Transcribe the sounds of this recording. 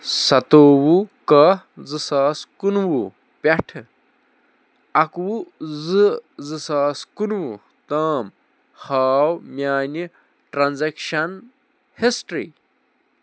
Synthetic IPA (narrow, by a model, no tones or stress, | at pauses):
sɐt̪oːwukɐzɨsaːskunwu | pʲɐʈʰ | ɐkwuzɨzɨsaːskunwu | t̪aːm | haːwmjaːni | ʈɾanzekʃɐn | hisʈɾḭː